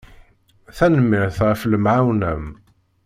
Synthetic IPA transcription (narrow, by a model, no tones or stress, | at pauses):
θænəmːɪɾθʁəfləmʕawnæm